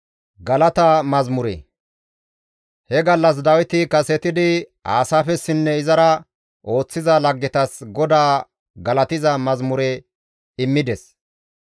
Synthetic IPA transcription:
ɡɐlɐt̪ɐmɐzmʊɾɛ̰ | hɛɡɐlːɐs̬d̪ɐwɪt̪ɪkɐsɛt̪ɪd̪ɪa̰ːsaːfɛsːɪnːɛɪzɐɾɐ | ʔo̞ːt͡sːɪzɐlɐɡːɛt̪ɐsɡɔd̪aː | ɡɐlɐt̪ɪzɐmɐzmʊɾɛ | ɪmːɪd̪ɛs

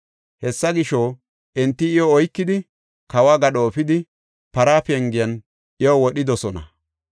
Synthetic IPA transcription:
hɛsːɐɡɪʃoː | ʔɛnt̪ːɪɪjoːjkːɪd̪ɪ | kɐwaːɡɐɗoːfɪd̪ɪ | pɐɾaːfɛŋɡɪjɐn | ʔɪjowɔɗɪd̪ɔsɔnɐ̰

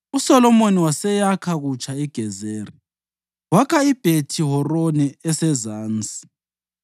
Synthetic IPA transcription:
usɔlɔmoniwasɛjakʰaɣut͡ʃʼaiɡ̥ʱɛzeːri | wakʰaib̥ʱetʰiɦɔrɔnɛɛsɛzaːnt͡sʼi̥

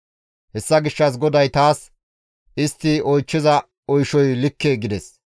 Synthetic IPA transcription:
hɛsːɐɡɪʃːɐs̬ɡɔd̪ɐjt̪aːs | ɪst̪ːɪɔjt͡ʃːɪzɐ | ɔjʃɔjlɪkːeːɡɪd̪ɛs

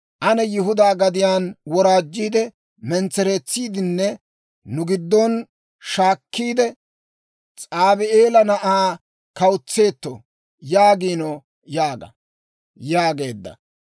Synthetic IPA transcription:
ʔɐnɛjɪɦʊd̪aːɡɐd̪ɪjaːnwɔɾaːd͡ʒːiːd̪ɛ | mɛnt͡sɛɾeːt͡sːiːd̪ɪnːɛ | nʊɡɪd̪ːɔn | ʃaːkːiːd̪ɛ | t͡sʼaːbɪeːlɐnɐʔaː | kɐwt͡sːe̞ːt̪ːɔ | jaːɡiːnɔ | jaːɡɐ̰ | jaːɡe̞ːd̪ːɐ̰

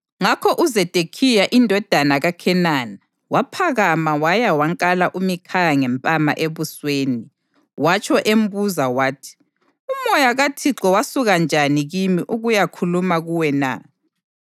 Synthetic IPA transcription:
ŋakʰɔʔuzɛd̥ʱekʰijaʔindʱɔd̥ʱanaɣakʰɛnaːna | wapʰaɣamawajawaŋkʼalaʔumikʰajaŋɛmpʼama̰ʔeβusweːni | wat͡ʃʰʼɔʔem̩buzawaːtʰi̥ | umɔjaɣatʰiǁɔwasuɣand͡ʒʱaniɣimiʔuɣujakʰulumaɣuwɛna̰

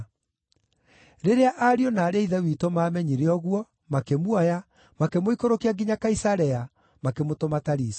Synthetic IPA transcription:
ɾeɾeaʔaɾiɔnaːɾeaiðɛwitomaːmɛɲiɾeɔɣwɔ | makemwɔja | makemoikoɾokiaɡiɲakaisaɾɛa | makemotomataɾisi̥

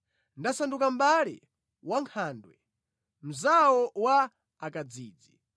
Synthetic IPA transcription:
ndasandukam̩ɓalḭ | waŋkʰandwɛ | m̩zawɔwaː | kad͡ziːd͡zi

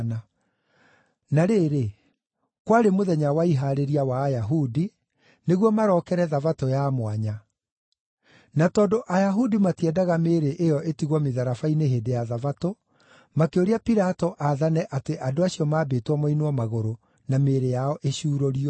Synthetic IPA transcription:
na | naɾeːɾe | kwaɾemoðɛɲawaiɦaɾeɾiawaːjaɦudi | neɣwɔmaɾɔːkɛɾɛðavatɔjamwaɲa | natɔːndoʔajaɦudimatiɛdaɣameːɾeʔejɔʔetiɣwɔmeðaɾafaineɦeːdejaðavato | makeoɾeapiɾatɔʔaðanɛʔateʔadoaɕiɔmaːbeːtwamainwɔmaɣoɾo | nameːɾejaɔʔeɕuːɾɔɾiɔ

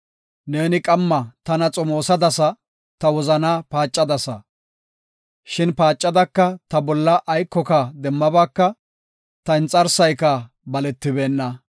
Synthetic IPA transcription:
neːnɪkʼɐmːɐt̪ɐnɐt͡sʼɔmo̞ːsɐd̪ɐsɐ | t̪ɐwɔzɐnaːpaːt͡ʃʼːɐd̪ɐsɐ | ʃɪnpaːt͡ʃʼːɐd̪ɐkːɐt̪ɐbɔlːɐʔːjkːɔkɐd̪ɛmːɐbaːkːɐ | t̪ɐɪnt͡sʼɐɾsɐjkɐ | bɐlɛt̪ːɪbe̞ːnːɐ

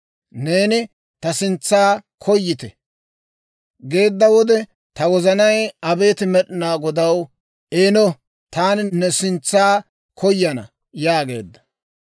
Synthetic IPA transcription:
ne̞ːnɪ | t̪ɐsɪnt͡sːaːkʰɔjːɪt̪ɛ | ɡe̞ːd̪ːɐwɔd̪ɛ | t̪ɐwɔzɐnɐjɐbe̞ːt̪ɪmɛɗɪnaːɡɔd̪ɐw | eːnɔ | t̪aːnnɛsɪnt͡sːaː | kʰɔjːɐnɐ̰ | jaːɡe̞̰ːd̪ːɐ̥

